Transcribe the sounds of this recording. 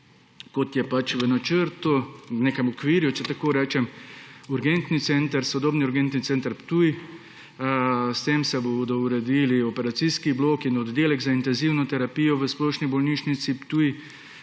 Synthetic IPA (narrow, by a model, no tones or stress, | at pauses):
kɔt̪jɛpat͡ʃʋənat͡ʃəɾt̪uneːkɛmɔkʋiːɾjut͡ʃɛt̪akoːɾɛːt͡ʃɛmuɾɡent̪nit̪sɛnt̪əɾsɔd̪oːbniuɾɡent̪nit̪sɛːnt̪əɾpt̪uj | st̪emsɛbod̪ɔuɾɛd̪iliɔpɛɾat̪siskibloːkinɔd̪ːeːlɛɡzaint̪ɛnziwnɔt̪ɛɾapijɔʋəsplɔʃnibɔlniːʃnit̪sipt̪uj